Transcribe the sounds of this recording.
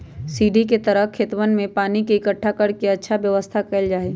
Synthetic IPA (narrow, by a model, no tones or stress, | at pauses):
siːɖiket̪əɾəɦkʰːeːt̪ʋənmẽpaːnikiɪkəʈʰːakɐɽkeɐtːʃʰaʋjəʋəst̪ʰakɛːld͡ʒaːeː